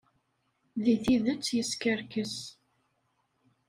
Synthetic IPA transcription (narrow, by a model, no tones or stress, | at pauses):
ðiθiðət͡sːjəskəɾkəs